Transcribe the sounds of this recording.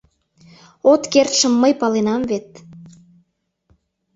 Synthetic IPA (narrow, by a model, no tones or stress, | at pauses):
ot̪kert̪ʃə̆mːəjpɑlenɑmvet̪̚